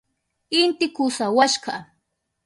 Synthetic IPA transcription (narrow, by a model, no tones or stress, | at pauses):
ɪnt̪ɪkʊsawaʃɢɑ